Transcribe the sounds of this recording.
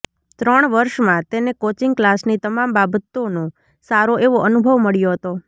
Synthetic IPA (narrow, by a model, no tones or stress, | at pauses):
t̪ɾəɳ̃ʋəɾʃmãt̪enekot͡ʃiŋɡklasnit̪əmambabət̪ːono | saɾoʔeʋoənubʱəʋməɭjoɦət̪o